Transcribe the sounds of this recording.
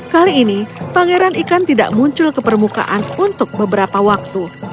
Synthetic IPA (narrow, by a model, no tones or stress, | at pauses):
kaliːnipaŋeɾanikant̪ida̰ʔmuɲt͡ʃʊlkəpərmuka̰ʔanunt̪ʊk̚bəbəɾapawak̚t̪u